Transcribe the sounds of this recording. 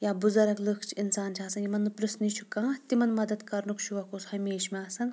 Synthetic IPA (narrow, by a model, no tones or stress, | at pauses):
jaːbuzɐɾɐkləkʰt͡ʃʰiinsaːnt͡ʃʰiaːsɐnjimɐnːɨpɾɐsnit͡ʃʰu̥kãːt̪imɐnmɐd̪ɐt̪kɐɾnukʃʰuʋɐkoːshɐmeːʃmeɐsɐn